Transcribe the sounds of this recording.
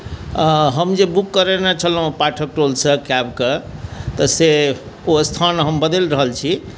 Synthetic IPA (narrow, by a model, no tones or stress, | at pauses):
ɦəmd͡ʒebukːəɾenet͡ʃʰəlɦpaʈʰək̚ʈolsəkabket̪əse | ost̪ʰanɦəmbəd̪elɾəɦəlt͡ʃʰi